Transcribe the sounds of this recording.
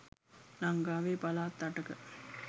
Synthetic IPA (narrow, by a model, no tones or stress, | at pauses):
laŋɡaːʋeːpalaːt̪ːaʈəkə